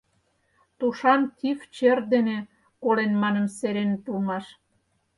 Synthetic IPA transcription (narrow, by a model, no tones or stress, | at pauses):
t̪uʃɑnk̪ift͡ɕerd̪ene | kolenmɑnə̆mseɾent̪ulmɑʃ